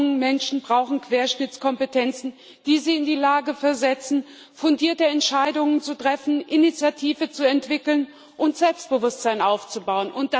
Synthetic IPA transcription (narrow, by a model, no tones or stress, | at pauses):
ŋəmɛnʃn̩bʁaʊxn̩kv̥eːɐʃnɪt͡skʰɔmpətʰɛnt͡sn̩ | d̥iːziːɪndiːlaːɡəfɛɐzɛt͡sn̩ | fʊndiːɐtəɛntʃaɪdʊŋənt͡sutʁ̥ɛfn̩ʔɪnit͡sjatʰiːvət͡suɛntv̥ɪkl̩n | ʔʊntz̥ɛlpst̚b̥əvʊstz̥aɪnʔaʊft͡subaʊənʔʊnt̚d̥a